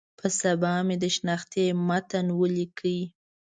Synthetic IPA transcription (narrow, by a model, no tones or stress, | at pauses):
pʰəsabɑmed̪əʃnɑxt̪emat̪anwəlikʰəwi